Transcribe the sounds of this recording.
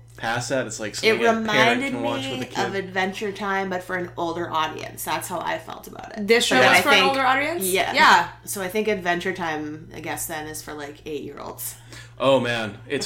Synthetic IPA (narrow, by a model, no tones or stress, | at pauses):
pʰæsɨɾɨtslaɪksɪt̚ɹɨmãɪ̃ndɨd̚məðɨkʰʌvɨdvɛ̃nt͡ʃə˞tʰãɪ̃mbʌtfə˞ɨ̃noʊlˠdə˞ʔɔɾḭɨ̰̃nsðætshaʊʔa̰ɪ̥fɛ̰lˠtəba̰ʊɾɪ̰tðɪsʌoðɨaɪə˞ɪ̃ŋlˠə˞ɔɾiɨ̃nsjjæ̰jæsoʊaɪθɪ̃ŋkɨdvɛ̃nt͡ʃə˞tʰãɪ̃mʔa̰ɪɡɛsðɨ̃nɨz̥fə˞laɪkʰeɪʔ̚jɪ̰ɹo̰ʊlˠdz̥ | ʔoʊmæ̃nɪts